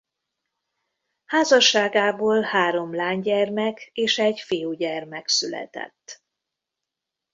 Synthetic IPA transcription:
haːzɒʃːaːɡaːboːlhaːɾo̞mlaːɲɟɛrmɛkeːʃɛɟfijuːɟɛrmɛksylɛ̰t̪ɛ̰t̪ː

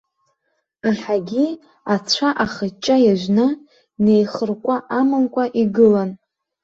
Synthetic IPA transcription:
aħħaɡʲi | at͡ɕʷʰaʔaχət͡ʃʼːajaʒʷnɨ | ne̞jχərkʷʼaʔamɨnkʷʼaʔiɡɨlan

